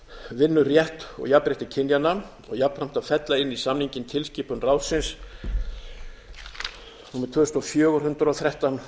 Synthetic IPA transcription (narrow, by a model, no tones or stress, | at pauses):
vɪnːʏrjɛht̪ɔ̰ɣjapɾɪht̪ɪcʰɪnjanːa | ɔ̰ɣjapɾam̥t̪afɛt̪laɪnːisamniɲcɪnt̪ʰɪlscɪːpʏnraːwsɪns | numɪt̪ʰvœːst̪ɔfjœːɣʏɾhʏnt̪ɾawθɾɛht̪an